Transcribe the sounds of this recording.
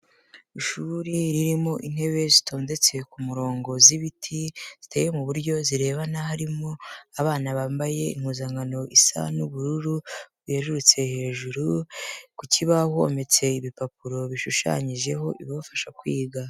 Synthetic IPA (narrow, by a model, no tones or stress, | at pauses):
iʃuɾiɾiɾimo̞ʔin̥he̞βe̞zitʰo̞ːnde̞t͡se̞kumuɾo̞ːŋɡo̞ziβitʰiz̥itejemuβuɾɟo̞ziɾe̞ːβanahaɾimo̞aβaːnaβaːmbaje̞ḭŋhuːzaŋɡano̞ʔisa̰nuβuɾuɾuβeʒuɾut͡se̞he̞ːʒuɾukuciβaho̰me̞t͡se̞iβipap̚uɾo̞βiʃuʃa̰ɲiʒe̞ɦo̞ʔiβoβfaʃakwiːɡa